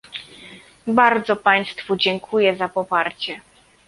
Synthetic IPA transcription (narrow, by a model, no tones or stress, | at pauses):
baɾd̪zɔpaj̃st̪fud͡ʑɛŋkʰujɛzapɔpaɾt͡ɕɛ